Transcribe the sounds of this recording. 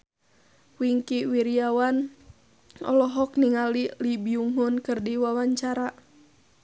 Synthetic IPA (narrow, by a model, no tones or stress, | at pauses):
wiŋkiwiɾiawan | ɔ̰lɔɦɔkniŋalilibiuŋɦʊnkɨrdiwawaɲt͡ʃaɾa